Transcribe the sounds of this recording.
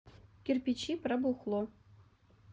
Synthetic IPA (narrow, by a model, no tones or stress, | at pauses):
kʲirʲpʲit͡ɕːiprʲɑbuχlˠo